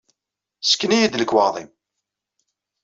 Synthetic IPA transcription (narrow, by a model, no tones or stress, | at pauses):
sə̥kːənijid̪ləkwɑðˤḭm